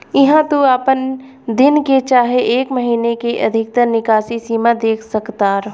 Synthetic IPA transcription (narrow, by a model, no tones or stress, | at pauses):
ɪɦãt̪oaːpən | d̪ɪnket͡ʃaːɦeʔeːkmɐɦiːnekeʔɐd̪ʱɪk̚t̪əɾnɪkaːʃisiːmad̪eːkʰsɐkt̪aːɾ